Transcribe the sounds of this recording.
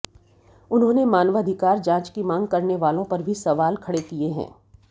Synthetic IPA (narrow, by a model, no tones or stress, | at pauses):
ʊnɦõːnemaːnʋɐd̪ʱɪkaːɾd͡ʒãːt͡ʃkimãːŋɡ̚kɐɾneʋaːlõpɐɾbʱisɐʋaːlkʰɐɽekieɦɛ̰̃ː